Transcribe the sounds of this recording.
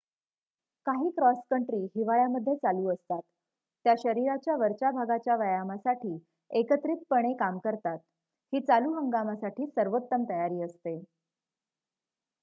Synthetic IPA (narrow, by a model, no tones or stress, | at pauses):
kaɦiːkɾɔskəɳʈɾiːɦiʋaɭjaməd̪ʱjet͡saluːəst̪at̪ː | jaɕəɾiɾat͡ɕjaʋəɾt͡ɕabʱaɡat͡ɕjaʋəjamasaʈʰiː | ekət̪ɾit̪̚pəɽ̃ekamkəɾt̪at̪̚ | hiːt͡saluːɦəŋɡamasaʈʰiːsəɾʋot̪ːəmt̪əjaɾiːəst̪e